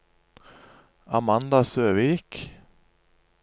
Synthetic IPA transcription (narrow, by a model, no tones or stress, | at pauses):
a̰mand̪asøːviːk